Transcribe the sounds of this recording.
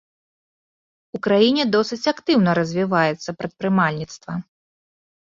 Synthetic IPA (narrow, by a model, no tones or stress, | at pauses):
ukɾajinʲɛd̪ɔsɨt͡sʲakt̪ɨwnɐɾɐzʲvʲivajɛt̪sːɐpɾɐt̪̚pɾɨmalʲnʲit̪st̪vɐ